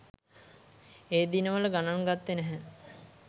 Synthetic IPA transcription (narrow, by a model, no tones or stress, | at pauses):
eːd̪inəʋələɡanaŋɡat̪ːenɛɦɛ